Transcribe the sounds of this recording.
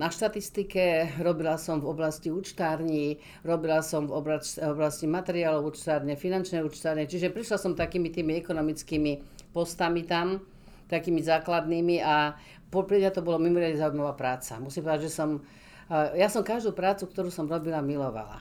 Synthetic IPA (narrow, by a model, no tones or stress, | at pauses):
naʃt̪at̪ist̪ikɛɾɔbilasɔmvɔblasciuːt͡ʃt̪aːɾɲi | ɾɔbilasɔmvɔblaɔblascimat̪ɛɾiaːlɔuːt͡ʃt̪aːɾɲɛfinant͡ʃnɛjuːt͡ʃt̪aːɾɲɛt͡ʃiʒɛpɾiʃlasɔmt̪akiːmit̪iːmiɛkɔnɔmit͡skiːmipɔst̪amit̪am | t̪akiːmizaːklad̪niːmia | pɔpɾiat̪ɔbɔlɔmimɔɾɪad̪ɲɛzaujmaʋaːpɾaːt͡sa̰musimpɔʋɛd̪aʒɛsɔm | jasɔmkaʒd̪uːpɾaːt͡sukt̪ɔɾuːsɔmɾɔbilamilɔʋa̰la̰